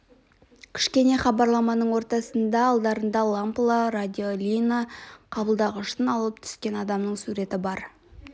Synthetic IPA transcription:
kʲʰɪ̥ʃkʲe̞ne̞χɑbɑɾlˠɑmɑnəɴwo̞ɾt̪ɑsənd̪ɑːlˠd̪ɑɾənd̪ɑlˠamplˠaɾad̪ʲiolʲinaqʰɑbəlˠd̪ɑʁəʃt̪ənɑlˠəp̚t̪ʰʏ̥skʲe̞nɑd̪ɑmnəɴsuɾe̞t̪ɪbɑɾ

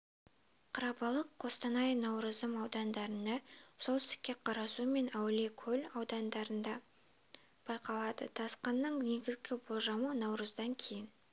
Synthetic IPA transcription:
qʰəɾɑbɑlˠəqʰːo̞st̪ɑnɑjnɑwɾəzəmɑwd̪ɑnd̪ɑɾənd̪ɑsolˠsɪ̥t̪ɪ̥kʲːe̞qʰɑɾɑsume̞næwle̞kʲʰɵlʲɑwd̪ɑnd̪ɑɾənd̪ɑ | b̥ɑjqɑlˠɑd̪ə̰t̪ʰɑsqɑnːəɴne̞ɡʲɪzɡʲɪbolˠʒɑmənɑwɾəzd̪ɑŋkʲʰe̞jɪn

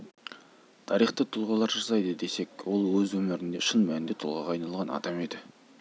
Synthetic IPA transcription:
t̪ʰɑɾijχt̪ət̪ʰʊlˠʁɑlˠɑɾʒɑsɑjd̪əd̪e̞se̞kwo̞lˠwɵzwɵmɪɾɪnd̪eʃənmænɪnd̪e̞t̪ʰʊlˠʁɑʁɑɑjnɑlˠʁɑnɑ̰d̪ɑme̞d̪ɪ

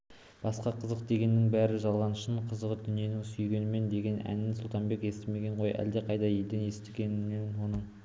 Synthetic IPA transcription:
b̥ɑsqɑqʰəzəq̚d̪e̞ɡʲe̞nːɪŋbæɾɪʒɑlˠʁɑnəʃəɴqʰəzəʁəd̪ʏnije̞nɪŋsʏjɡʲe̞nɪme̞nd̪e̞ɡʲe̞næ̰nɪnsʊlˠt̪ɑnbe̞ke̞st̪ɪme̞ɡʲe̞ɴʁojʔæ̰ld̪e̞qʰɑjd̪ɑje̞ld̪ene̞st̪eɡʲe̞nɪmenwo̞nəɴ

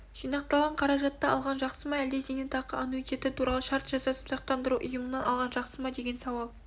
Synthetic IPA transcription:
ʒ̥ijnɑq̚t̪ɑlˠʁɑɴqʰɑɾɑʒɑt̪ːɑɑ̰lˠʁɑnʒɑqsəmɑæld̪esenɪt̪ʰɑqəanuit̪ʲe̞t̪ɪt̪ʰuɾɑlˠəʃɑɾt̪ʒ̥ɑsɑsə̥psɑq̚t̪ɑnd̪əɾuʔʊjəmənɑnɑlˠʁɑnʒɑqsəmɑd̪e̞ɡʲe̞nsɑwɑlˠ

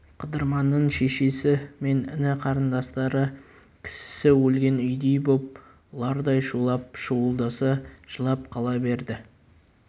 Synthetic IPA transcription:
qʰəd̪əɾmɑnːəɴʃeʃe̞sɪme̞nɪ̰nɪqʰɑɾənd̪ɑst̪ɑɾə | kʲʰɪ̥sɪ̥sɪwɵlɡʲe̞nʏjd̪ejbop̚ | lˠɑɾd̪ɑjʃulˠɑp̚ʃuwəlˠd̪ɑsɑʒ̥əlˠɑp̚qʰɑlˠɑbe̞ɾd̪ɪ

